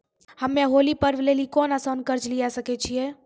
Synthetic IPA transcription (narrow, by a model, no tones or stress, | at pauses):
həmẽɦoːlipəɾʋlelikoːnəsankəɾd͡ʒlijasəkɛt͡ʃʰije